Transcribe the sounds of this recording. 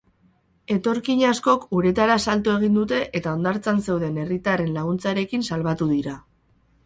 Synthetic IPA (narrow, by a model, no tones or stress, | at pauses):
e̞t̪o̞ɾkiɲasko̞kuɾe̞t̪aɾasalt̪ue̞ɣ̞ind̪ut̪e̞ʔet̪ao̞nd̪aɾt͡sanse̞wðe̞ne̞rit̪are̞nlaɣ̞unt͡saɾe̞kinsalβat̪uðiɾa